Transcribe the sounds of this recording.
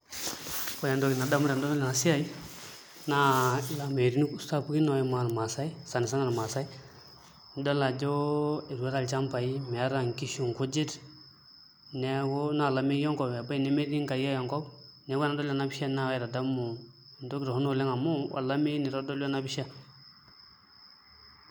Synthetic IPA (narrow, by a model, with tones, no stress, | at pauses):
kɔ˨a˨ndo˦ki˨na˨da˦mu˦ɾa˨ndo˦o˦la˨na˨si˦ja˦˨i˦ | na˦˨la˨me˨ɾi˦nu˦ku˦sta˦pu˦ɡi˦na˨jɛ˦ma˨lma˨sa˦i˦sa˨ni˨s̬a˦na˨lma˨sa˦i˦ | da˦la˨d͡ʒo˦e˨ɾe˦ɾa˨lt͡ʃa˦mpa˨i˦m˨a˦ɾa˨ŋki˦ʃu˨ŋku˦d͡ʒi˦t | ne˦wo˦na˨la˨mi˦jɔ˦ŋkɔ˨a˨ba˦i˨nɛ˦me˦di˦ŋka˨ja˦jɔ˨ŋkɔ˦bnɛ˨˦wna˦do˦la˨na˦bi˦ʃa˦na˦˨wɾa˨da˦mu˨n˨do˦ki˦ɾa˨hu˦no˨le˦ŋa˨mu˦wa̰˨la˦me˦ni˨ɾo˦do˦la˦na˦bi˦ʃa˦